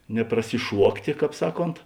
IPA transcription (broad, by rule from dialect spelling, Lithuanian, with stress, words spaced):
nʲɛprɐsʲɪˈʃuɔktʲeː ˈkɑːp ˈsɑːˌkoːnt